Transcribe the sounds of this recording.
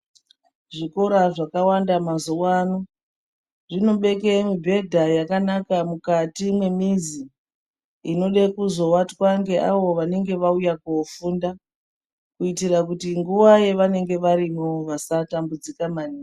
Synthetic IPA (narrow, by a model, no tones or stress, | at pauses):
ʐiko̞ɾaʐakawandamazuwano | ʐino̞ɓe̞ke̞mibʱe̞dʱajakanakamukatimwe̞miziː | no̞ɗekuzo̞watwaŋɡe̞ʔaʋo̞ʋane̞ŋɡe̞ʋaujakofuːnda | kuitirakutiŋɡuʋaje̞ʋane̞ŋɡe̞ʋaɾimoʋasatambud͡zikamaniː